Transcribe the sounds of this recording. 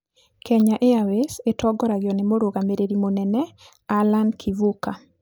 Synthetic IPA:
kʰɛɲaʔeawesetʰɔɡɔɾaɣjɔnemoɾoɣameɾeɾimonɛnɛ | alankʰivuka

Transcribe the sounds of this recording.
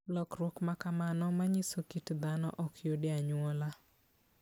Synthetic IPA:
lɔkɾwɔkmakamanɔmaɲisokitd̪anɔ̰ʔɔkʰjodɪaɲwɔla

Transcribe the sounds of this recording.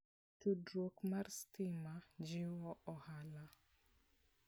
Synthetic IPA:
tudɾokmarstɪmad͡ʒɪwɔʔɔhala

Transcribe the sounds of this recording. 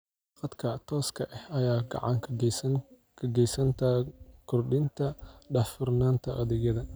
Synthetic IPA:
qɑd̪kʰɐt̪ʰɔːskʰɐʔɛhɐjaːɡɑ̰ʕɑŋkʰ | kʰɐɡɛjsɐnt̪ʰɐkʰʊrɗɪnt̪ʰɐɖɐfɪrnaːnt̪ʰɐʔɐðɛɣɐðɐ

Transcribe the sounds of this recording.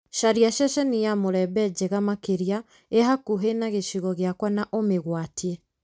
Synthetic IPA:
ʃaɾiaʃɛʃɛnijamoɾɛbɛd͡ʑeɣamakeɾja | eɦakuɦenaɣeʃiɣɔɣeakwanaʔomeɣwatiɛ

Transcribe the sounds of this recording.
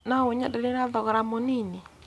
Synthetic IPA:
nawʊɲadanɪnad̪ɔɡɾamɔnini

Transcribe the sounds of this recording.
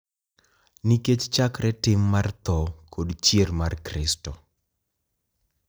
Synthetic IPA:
niket͡ʃt͡ʃakɾɛtɪmːart̪ɔkʰodt͡ʃjermarkɾɪstɔ

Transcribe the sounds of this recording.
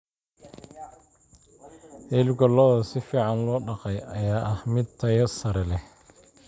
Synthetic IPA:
ʔɛːlɡɔlɔðɐsɪfiːʕɑnlɔːɖɑqɛjɐjaːʔɐhmɪd̪̚t̪ʰɐjɐsɐɾɛlɛh

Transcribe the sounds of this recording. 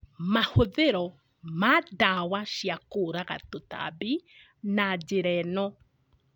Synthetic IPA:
mahoðeɾo | madaːwaʃiakuːɾaɡa̰tota̰bi | nad͡ʒeɾeno

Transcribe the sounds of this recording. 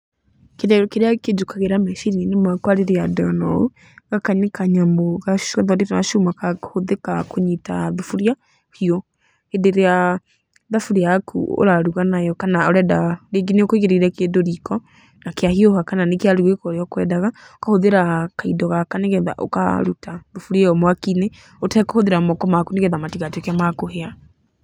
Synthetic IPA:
kekeɾeaked͡ʒukaɣeɾamɛʃiɾininemakwaɾeɾeadɔnɔ̰u | ɣakaɲekaɲamboɣaaðɔɾiɾaʃumakahoðekakoɲitaðufuɾja | hiɔ | edeɾea | ðafuɾeakʰṵo̰ɾaɾuɣanajɔkanaoɾɛdaɾeɡineokoiɣeɾeɾɛkedoɾikɔ | nakeahiohakananekeaɾuɣekɔɾeɔkwɛdaɣa | okahoðeɾakaidɔɣakaneɣɛða̰ʔo̰ka̰ɾutaðufuɾieɔmwakine | otɛkohoðeɾamɔkɔmakuneɣɛðamatiɣatiokamakohea

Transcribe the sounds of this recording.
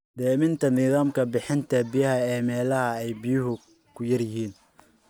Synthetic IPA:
d̪ɛːmɪnt̪ʰɐnɪðaːmkʰɐbɪħɪnt̪ʰɐbɪjɐɦɐɛːmɛːlɐhɐɛjbɪjʊɦʊ | kʰʊjɐrjɪɦiːn

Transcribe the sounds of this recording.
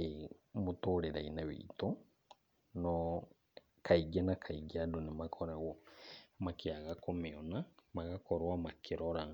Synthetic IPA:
e | motoːɾeɾa̰inawḭto | nɔ | kʰaiɡɛnakʰaiɡadonemakʰɔɾaɣɔmakeaɣakomeɔnamaɣakɔɾwamakʰeɾɔɾa

